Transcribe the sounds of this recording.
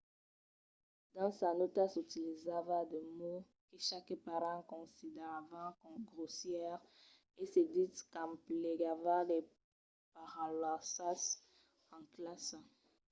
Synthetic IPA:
d̪̥ɑ̃sanot̪asut̪ilizavad̪emo | keʃakpaʁɑ̃kɔ̃sid̪eʁavãkɔmɡʁosjɛʁ | esed̪it̪kãmpleɡavade | paʁãlwasas | ɑ̃klasa

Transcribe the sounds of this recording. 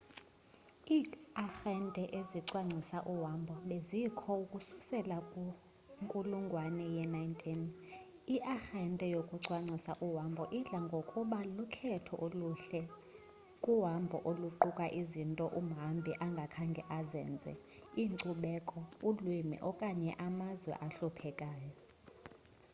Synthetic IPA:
iːaxɛntʼɛʔeziǀwaŋ͡ǀʱisaʔuwambʱɔɓezikʰɔukʼusu̥sɛlakʼu | ŋkʼuluŋɡʱwanɛjɛnajntʰʼin | iʔaxɛntʼɛjokʼuǀwaŋ͡ǀʱisaʔuwambʱɔʔiɮaŋɡʱokʼuɓalukʰɛtʰɔʔoluɬɛ | kʼuwambʱɔ̰ʔoluǃukʼaʔizintʼɔʔum̩ɦambʱiʔaŋɡʱakʰaŋɡʱɛ̰ʔazɛ̰ːnd͡zʱɛ̰ | iːŋǀuɓɛkʼɔulwimḭʔɔkʼaɲɛʔamazwɛ̰ʔaɬupʰɛkʼaːjɔ

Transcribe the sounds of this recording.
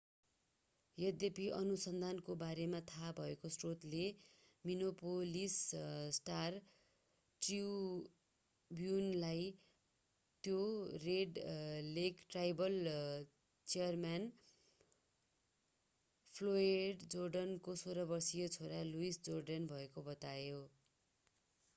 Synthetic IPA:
jʌd̪jepiʔʌnusʌnd̪ʱankobaɾemat̪ʰabʱʌekosrot̪le | minopolissʈar | ʈiw | bjunlaj | t̪joreɖlekʈrajbʌl | t͡sijʌrman | pʰloeɖd͡zorɖʌnkosoɾʌbʌrsijot͡sʰoɾaluisd͡zorɖʌnbʱʌekobʌt̪ajo

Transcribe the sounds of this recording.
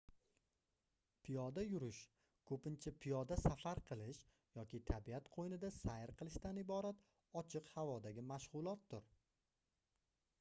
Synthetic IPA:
pʰɪjɒd̪ajʊɾɪʃ | kʰɵpɪnt͡ʃʰapʰɪjɒd̪asafaɾqʰɨlˠɪʃ | jɒkʲɪt̪ʰabiat̪qʰojnɪd̪asajɪɾqʰɨlˠɪʃt̪anɪbɒɾat̪ | ɒt͡ʃʰɨqhavɒd̪aɡʲɪmaʃʁʊlˠɒt̪̚d̪ʊɾ

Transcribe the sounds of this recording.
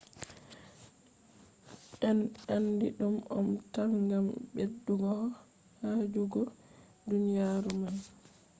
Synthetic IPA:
ɛnandiɗumɔ̰mtalŋɡambedːuɡɔh | had͡ʒuɡɔ | dunijaːɾuman

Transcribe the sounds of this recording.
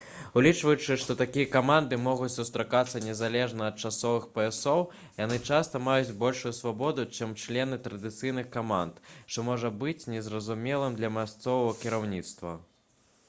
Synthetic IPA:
ulʲit͡ʂvɐjut͡ʂɨʂt̪ɔt̪akʲijɐkamand̪ɨmɔɣut͡sʲsust̪ɾakat̪sːɐnʲɛzalʲɛʐnɐɐt̪̚t͡ʂasɔvɨxpɐɛsɔw | janɨt͡ʂast̪ɐmajut͡sʲbɔlʲʂujusvabɔd̪ut͡ʂɛmt͡ʂlʲɛnɨt̪ɾɐd̪ɨt̪sɨjnɨxkamant̪ʂt̪ɔmɔʐɐbɨt͡sʲnʲɛzrɐzumʲɛlˠɨmd̪lʲɐmʲast̪sɔvɐvɐkʲiɾawnʲit̪st̪vɐ̰

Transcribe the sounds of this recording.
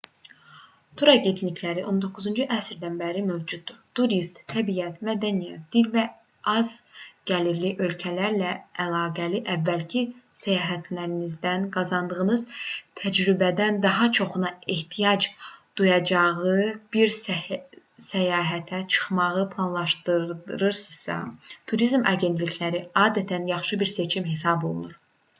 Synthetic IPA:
t̪ʰuɾɑɟe̞nt̪ʰnicʰlæɾiʔo̞nd̪o̞kʰːuzund͡ʒuʔæsɾd̪ænbæɾimø̞vd͡ʒud̪ːuɾt̪ʰuɾist̪ʰːæbijæt̪mæd̪ænijɛæt̪̚d̪̥ilvæ | ɑzɡ̥æliɾliʔø̞lcʰælæɾlæʔːlˠɑːɡæliʔævːælcʰisæjɑːɦæt̪ʰlæɾinizd̪ænɡɑzɑnd̪ɯʁɯnɯzt̪ʰæd͡ʒɾybæd̪ænd̪ɑɦɑt͡ʃʰo̞χunɑeht̪ʰijɑd͡ʒd̪̥ujɑd͡ʒɑʁɯb̥iɾs | sæjɑːɦæt̪ʰæt͡ʃʰɯ̥χmɑʁɯpʰlˠɑnlˠɑʃt̪ɯdɾɯɾsɯ̥z̥sɑ̰t̪ʰuɾizmɑ̰ɟe̞nt̪licʰlæɾiɑːd̪æt̪ʰænjɑχʃɯbiɾse̞t͡ʃʰimɦe̞sɑbo̞̰lˠunuɾ

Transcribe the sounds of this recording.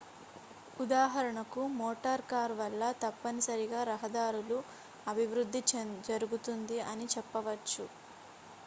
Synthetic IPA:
ud̪aːɦɐɾɐɳɐkumɔːʈɐɾkaːɾʋɐlːɐt̪ɐpːɐnisɐɾiɡaːɾɐɦɐd̪aːɾulu | ɐbʱiʋɾud̪ʱːid͡ʒɐɾuɡut̪und̪iɐnit͡ʃɛpːɐʋɐt͡ʃːu

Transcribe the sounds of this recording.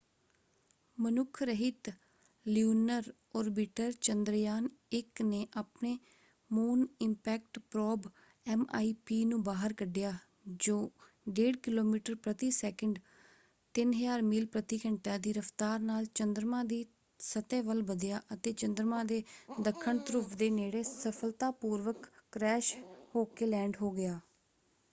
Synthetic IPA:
mənʊkʰɾəɦɪt̪ | ljuːnəɾ | ɔːɾbɪʈəɾt͡ʃənd̪ɾjaːnɪkneːʔaːpneː | moːnɪmpɛːk̚ʈpɾɔːb | ɛːma̰ːiːpiːnũːbaːɦəɾkəɖɪjaː | d͡ʒoː | ɖeːɽkɪloːmiːʈəɾpɾət̪iːsɛːkəɳɖ | t̪ɪnɦəjaːɾmiːlpɾət̪iːkəɳʈãːd̪iːɾəft̪aːɾnaːlt͡ʃənd̪ɾmãːd̪iː | sət̪ẽːʋəlbəd̪jaːʔət̪eːt͡ʃənd̪ɾmãːd̪eːd̪əkʰːəɳt̪əɾʊpʰd̪eːneːɽeːsəpʰəlt̪aːpuːɾʋəkːɾɛːʃhoːkeːlɛ̃ːɳɖɦoːɡɪjaː

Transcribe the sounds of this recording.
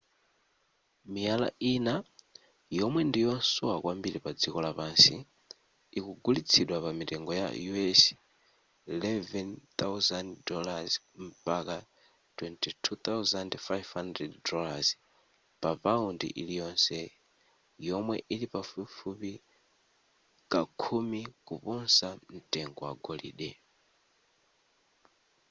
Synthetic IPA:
mijala̰ʔina | jɔmwɛndijɔnsɔwakwʔambiɾipad͡zikɔlapaːnsi | ikuɡulit͡sʰiɗwapamitɛŋɡɔja̰juɛs | ilɛvɛnt̪awzanddɔlaz | m̩paka | twɛntʰitʰut̪awzandfajvhandrɛddɔlaz | papaundḭʔilijɔnsɛ | jɔmwɛʔilipafufupi | kakʰumikupunsan̩tɛŋɡɔwa̰ɡɔlḭːɗɛ

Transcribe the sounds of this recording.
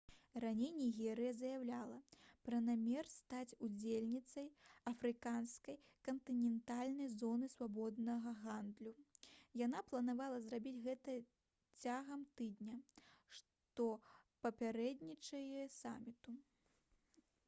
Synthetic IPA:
ranʲejnʲiɣʲɛɾɨjɐzɐjawlʲalˠɐpɾɐnamʲɛrst̪at͡sʲud͡zʲelʲnʲit̪sɐjɐfɾɨkanskɐj | kɐnt̪ɨnʲɛnt̪alʲnɐjzɔnɨsvabɔd̪nɐɣɐɣand̪lʲujanaplˠɐnavalˠɐzrabʲit͡sʲɣɛt̪ɐ | t͡sʲaɣɐmt̪ɨd̪nʲɐʂ | t̪ɔ | pɐpʲaɾɛd̪nʲit͡ʂɐjɛsa̰mʲit̪u

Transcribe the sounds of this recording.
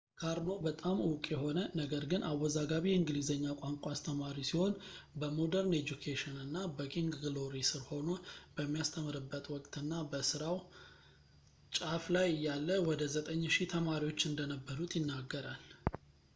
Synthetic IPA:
kʰaɾno̞bət̪ʼamɨwkʼjɛɦo̞nənəɡəɾɡɨnʔawːɔzaɡaβijɛɨŋɡlizəɲːakʼaŋkʼast̪ʰəmaɾisiho̞nbəmo̞d̪əɾned͡ʒukʰeʃɪnɨnːabəkʰiŋɡɡloɾisɨɾho̞nob̥əmːijast̪ʰəmɨɾɨbːət̪wɔkʼt̪ɨnːabəsɨɾaw | t͡ʃʼaflajɨjːalːəwɔd̪əzət̪ʼəɲːʃit̪ʰəmaɾiwo̞t͡ʃːɨnd̪ənəbːəɾut̪ʼjɪnːaɡːəɾal

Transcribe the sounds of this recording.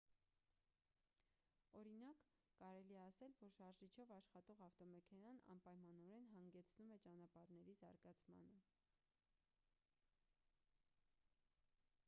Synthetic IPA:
ɔɾinɑkː | ɑɾɛliɛɑsɛlvɔɾʃɑɾʒit͡ʃʰɔvɑʃχɑt̪ɔʁɑft̪ɔmɛkʰɛnɑnɑ̰npɑjmɑnɔɾɛnɦɑŋɡɛt͡sʰnumɛt͡ʃɑn̪ɑpɑɾnɛɾizɑ̰ɾɡɑt͡sʰmɑ̰nə

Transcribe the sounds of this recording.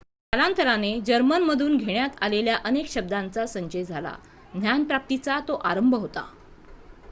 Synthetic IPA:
kalant̪ʰəɾaned͡ʑəɾmənməd̪ʱuːnɡʱeɳjat̪aleljaʔənekɕəb̚d̪ant͡sasəɲt͡ɕed͡zʱala̰ | d̪ʱjanpɾap̚t̪it͡sat̪oʔaɾəmbʱəɦot̪a̰

